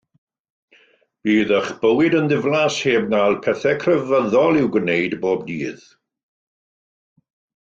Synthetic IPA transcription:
b̥iːðəχb̥əwɪdənðɪvlˠasheːb̚nalˠpʰɛθɛkʰrɛvəðɔlˠɪwɡwnejdboːbniːð̥

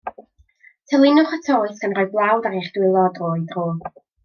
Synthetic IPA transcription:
tʰəlˠɪnʊχətʰoːɨsɡ̥anrɔjblˠawdaɾeχd̥wɪlˠɔdroːɨdroː

